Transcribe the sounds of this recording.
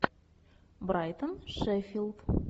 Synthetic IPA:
bɾajt̪ənʃefʲilˠd̪

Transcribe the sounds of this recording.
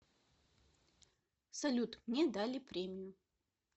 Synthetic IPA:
sɐlʲut̪mnʲɛd̪alʲɪpɾʲemʲɪjʊ

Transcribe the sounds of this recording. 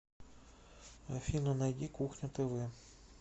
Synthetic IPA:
fʲinɔnɐjdʲikuxnʲɐt̪ɪʋɪ

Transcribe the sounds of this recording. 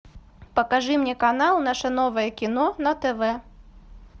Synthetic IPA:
pɐkaʐɨmnʲɛkanalˠnaʂɐnɔvɐjɛkʲin̪ɔnɐt̪ɛvɛ

